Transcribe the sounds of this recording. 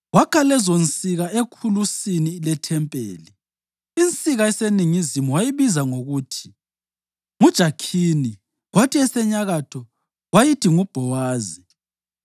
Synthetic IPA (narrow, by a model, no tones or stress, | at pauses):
wakʰalɛzont͡sʼiɣaekʰulusiniːlɛtʰɛmpʼḛːli | int͡sʼiɣaɛseniŋizimuwajiβizaŋoɣuːtʰi̥ | ŋud̥ʒ̥ʱakʰini | ɣwatʰiɛsɛɲaɣatʰɔ | wajitʰiŋub̥ʱɔwaːzi